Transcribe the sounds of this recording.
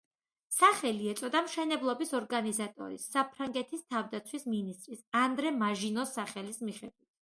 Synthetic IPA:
saχɛliɛt̪sʼɔd̪amʃɛnɛblˠɔbisɔɾɡanizat̪ʼɔ̰ɾḭsːapʰɾaŋɡɛt̪ʰist̪ʰavd̪at̪sʰwisminist̪ʼɾisand̪ɾɛmaʒinɔsaχɛlismiχɛd̪wit̪̚ʰ

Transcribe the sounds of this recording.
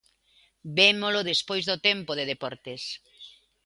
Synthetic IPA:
bemolʊðespojzðot̪empoðeðepɔɾt̪es

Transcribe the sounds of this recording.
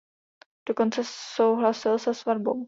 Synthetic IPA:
d̥oko̞nt͡sɛsowɦlasɪlsɛsvadbow

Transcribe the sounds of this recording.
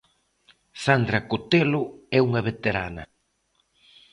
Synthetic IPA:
sand̪ɾɐkot̪eloɛuŋɐβet̪eɾa̰nɐ̰

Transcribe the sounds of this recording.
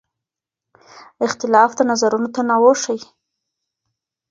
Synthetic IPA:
ɪxt̪ɪlɑfd̪ənazaɾunot̪anɑwoʂəj

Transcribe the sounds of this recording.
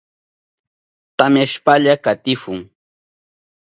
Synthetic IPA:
t̪amjaʃpaʎakat̪ɪfʊŋ

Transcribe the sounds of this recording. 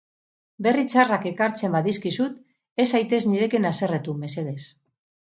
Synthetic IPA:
be̞rit͡sarake̞kaɾt͡se̞mbaðiskisut̪ | e̞sajt̪e̞zniɾe̞kenase̞ret̪ume̞se̞ð̞e̞s

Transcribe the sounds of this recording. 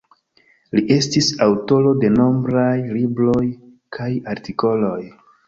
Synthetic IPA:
liʔe̞stisawto̞lo̞de̞no̞mbɾajlibɾo̞j | kʰajaɾtiko̞lo̞j

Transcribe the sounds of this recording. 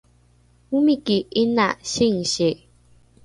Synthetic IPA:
umikiinaɕiŋ̩ɕe

